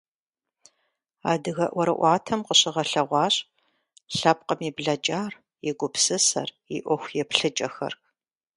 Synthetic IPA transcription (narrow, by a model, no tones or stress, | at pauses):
aːdɨɣɐʔʷɔɾɐʔʷɑːtʰɐmqəɕɪʁɐɬɐʁʷɑːɕʼ | ɬɐp̚qɐmiːbɮɐt͡ʃʼaːr | jɛɡʷʊpsɨsɐ̰r | ḭʔʷɔxʷjɛpɬɨt͡ʃʼɐxɐ̰rk